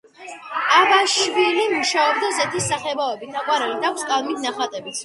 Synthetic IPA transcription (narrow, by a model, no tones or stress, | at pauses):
abaʃvilimuʃaɔb̚d̪azɛt̪ʰisːaχɛbavɛbit̪ʰaqʼwaɾɛlid̪akʰʷskʼalˠmit̪ʰnaχat̪ʼɛbit̪sʰ